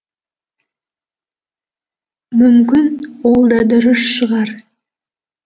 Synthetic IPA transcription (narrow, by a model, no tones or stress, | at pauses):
mʏmkʲɪnwolˠd̪ɑd̪ʏɾɪsʃəʁɑɾ